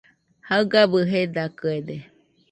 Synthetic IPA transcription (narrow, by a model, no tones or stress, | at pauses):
haɯɡabɯɦed̪akɯed̪e